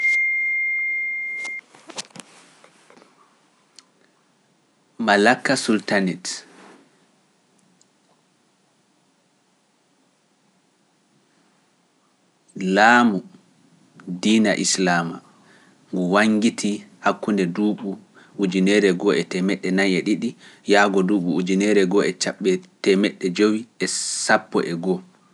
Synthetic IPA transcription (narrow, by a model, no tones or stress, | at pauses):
malakːasultanit | laːmu | diːna̰ʔislama | ŋɡuwaŋɡitʰihakːundɛduːɓu | ud͡ʒinɛɾɛɡɔʔɛtɛmɛɗːɛnajɛɗiɗijaːɡɔduːɓuud͡ʒinɛɾɛɡɔɛt͡ʃaɓːɛtɛmɛɗːɛd͡ʒowiɛsapːɔ̰ʔɛɡɔ